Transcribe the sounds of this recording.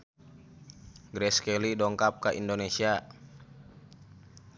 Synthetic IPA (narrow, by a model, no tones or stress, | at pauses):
ɡɾɛskɛlidɔŋkap̚kaʔḭndonesia